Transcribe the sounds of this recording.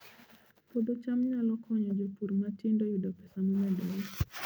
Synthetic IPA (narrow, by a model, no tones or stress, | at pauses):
pod̪ot͡ʃamɲalɔkʰɔɲɔd͡ʒopuɾmatindojudɔpɛ̥samɔmɛdɔ